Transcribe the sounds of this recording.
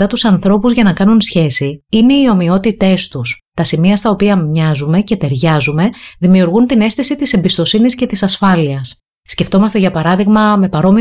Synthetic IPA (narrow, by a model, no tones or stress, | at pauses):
ɐt̪usɐnθɾo̞puzʝɐnɐkɐnunsçe̞siine̞io̞mio̞t̪it̪e̞st̪ust̪ɐsimiɐst̪ɐo̞piɐmɲɐzume̞ce̞t̪e̞ɾʝɐzume̞ðimiuɾɣunt̪ine̞st̪isit̪ise̞mbist̪o̞sinisce̞t̪isɐsfɐliɐsː | ce̞ft̪o̞mɐst̪e̞ʝɐpɐɾɐðiɣmɐme̞pɐɾo̞mi